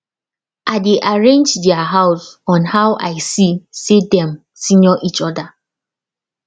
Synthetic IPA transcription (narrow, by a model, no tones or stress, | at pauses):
aɪdeʔaɹẽnd͡ʒdɛaɦaʊsɔ̃nhawʔa̰ɪsisedɛ̃m | sinɔʔit͡ʃɔda